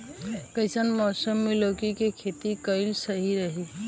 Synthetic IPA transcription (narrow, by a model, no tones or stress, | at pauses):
kɐɪsənmɔːsəmːeloːkikekʰeːt̪ikəɪlsɐɦiɾɐɦi